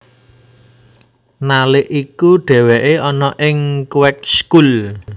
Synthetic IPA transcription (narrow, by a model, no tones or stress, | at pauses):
nalɪʔikuɖ̥ɛ̤wɛʔeɔnɔʔɪŋkwɛk̚skul